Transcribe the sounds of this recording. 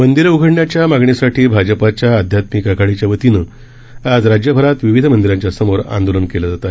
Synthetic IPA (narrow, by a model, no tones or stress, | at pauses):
mənd̪iɾuɡʱəɽɳjat͡ɕjamaɡɳisaʈʰiːbʱad͡ʑəpat͡ɕjaːd̪ʱjat̪mikaɡʱaɭit͡ɕjaʋət̪inə | ad͡zɾad͡ʑjəbʱəɾat̪ʋiʋid̪ʱəmənd̪iɾãɲt͡ɕjasəmoɾã̰nd̪olənkelad͡zat̪a